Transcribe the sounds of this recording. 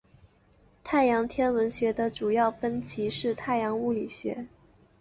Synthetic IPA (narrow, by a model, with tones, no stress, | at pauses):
t̪ʰa˥˩ɪjɑ˧˥ŋt̪ʰjɛ˥nwə˧˥nɕɥɛ˧˥d̪ə˧ʈ͡ʂu˨˩jɑ˥˩ʊfə˥nt͡ɕʰi˧˥ʂɻ̩˥˧t̪ʰa˥˩ɪjɑ˧˥ŋu˥˩li˨˩ɕɥɛ̰˧˥